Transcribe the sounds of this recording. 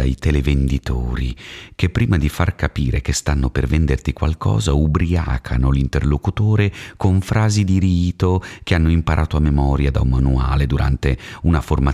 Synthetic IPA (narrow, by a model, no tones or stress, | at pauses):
a̰jt̪elevend̪it̪oːɾikepːɾiːmad̪ifarkapiːɾek̟est̪anːopervend̪ert̪ikwalkʰɔ̰ːzaubɾia̰ːkʰanolint̪erlokut̪oːɾekoɱfɾaːzid̪iɾiːt̪okeanːoimpaɾʔaːt̪oamːemɔːɾjad̪a̰umanua̰ːled̪uɾʔa̰nt̪eunaforma